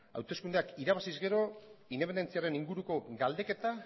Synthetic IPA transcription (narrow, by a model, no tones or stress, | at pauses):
a̰wt̪e̞skund̪eakiɾaβasizɡe̞ɾo̞ind̪epene̞nt͡siaɾe̞niŋɡuɾuko̞ɡald̪e̞ke̞t̪a